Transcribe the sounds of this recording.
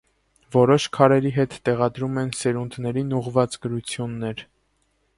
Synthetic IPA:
vɔɾɔʃkʰɑɾɛɾiɦɛt̪ːɛʁɑd̪ɾumɛnsɛɾund̪nɛɾinuʁvɑt͡sɡəɾut͡sʰjunːɛɾ

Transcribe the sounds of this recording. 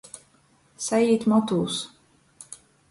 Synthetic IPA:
sajiːt̪mɔt̪uːs

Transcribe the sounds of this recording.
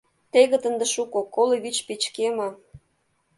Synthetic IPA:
t̪eɣə̆t̪ə̆nd̪eʃukokoleβit͡ɕpet͡ɕkemə̆

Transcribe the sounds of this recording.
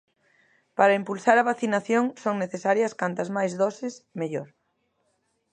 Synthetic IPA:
paɾɐimpulsaɾɐβaθinaθjoŋsoŋneθesaɾjɐskant̪ɐzmajzðɔsɪsmeʎoɾ

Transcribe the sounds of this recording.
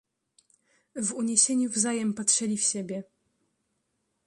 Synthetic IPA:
vuɲeɕeɲuvzajɛmpatʂɛlʲifɕɛbʲjɛ

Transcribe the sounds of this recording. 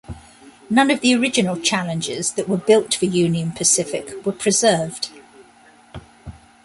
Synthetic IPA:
nʌ̃nəvðiəɹɪd͡ʒɪnəlˠt͡ʃʰalɪ̃nd͡ʒɪ̰zðəʔwəbɪlˠtfəjʉːniə̃npʰəsɪfɪkwəpʰɹ̥ɪzɜːvd̥

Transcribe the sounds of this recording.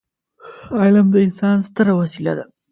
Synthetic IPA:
ɑjlamd̪əɪnsɑːnst̪əɾawɐsila̰d̪a

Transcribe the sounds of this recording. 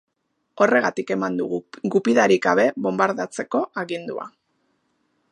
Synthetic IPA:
o̞re̞ɣ̞at̪ike̞mand̪uɣɣupiðaɾiɡɡaβ̞e̞βo̞mbaɾðat͡se̞ko̞aɣind̪ua̰

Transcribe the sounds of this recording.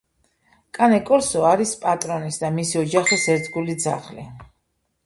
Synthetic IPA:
kʼanɛkʼɔɾsɔaɾispʼat̪ʼɾɔnisd̪amisiɔd͡ʒaχisɛɾt̪ʰɡulid̪za̰χlḭ

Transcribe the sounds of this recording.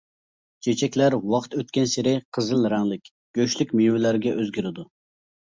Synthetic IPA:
t͡ʃʰet͡ʃʰɛkʲlæɾwɑqt̪øt̪̚kʲɛnsɪɾɪqʰəzɨlˠɾæŋlɪkʲ | ɡ̥ʲøʃlykʲmijwɪlæɾɡʲɛʔøzɡʲiɾɪd̪u

